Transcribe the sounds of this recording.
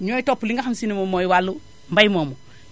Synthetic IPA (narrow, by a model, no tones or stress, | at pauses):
ɲoːitopːuliŋɡaxamsinimomoːjiwalːu | mbajmomu